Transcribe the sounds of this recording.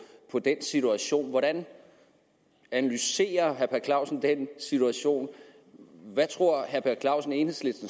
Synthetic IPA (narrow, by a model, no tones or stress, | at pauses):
pʰɒ̽d̥ensit͡sʰuæɕo̝̰ːnʋɒɾ̥æn | ænælyse̝̰ːɐɦæɐpʰæɐkʰlɑ̈ʊ̰sn̩d̥ensit͡sʰuæɕo̝̰ːn | ʋæt͡sʰʁo̝ɐ̰ɦæɐpʰækʰlɑ̈ʊsn̩e̝ːnhe̝sle̝dd̥n̩